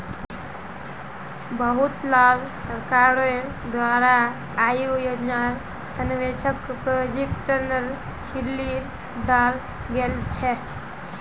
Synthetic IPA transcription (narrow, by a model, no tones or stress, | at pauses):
bəɦut̪lalsəɾkaɾe | d̪ʋaːɾaː | jijoːd͡ʒnaɾ | sənʋet͡ʃʰəkpɾojod͡ʒekʈəɾnəɾ | kʰilːiɾ | ɖaːl | ɡelt͡ʃʰe